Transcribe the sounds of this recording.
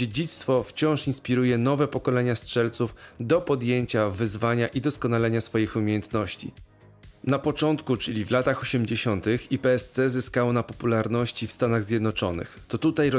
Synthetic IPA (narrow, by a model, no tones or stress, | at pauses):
ed͡ʑit̪st̪fɔft͡ɕɔ̃w̃ʂinspʲiɾujɛnɔvɛpɔkɔlɛɲastʂɛlt̪sufd̪ɔpɔd̪jeɲt͡ɕavɘzvaɲaʔid̪ɔskɔnalɛɲasfɔjixumʲejɛnt̪nɔɕt͡ɕḭ | napɔt͡ʂɔnt̪kut͡ʂɘlʲivlat̪axɔɕɛmd͡ʑeɕɔnt̪ɘxipɛɛst̪sɛzɘskawɔnapɔpulaɾnɔɕt͡ɕifst̪anaɣzʲjɛd̪nɔt͡ʂɔnɘ̰xt̪ɔt̪ut̪ajɾ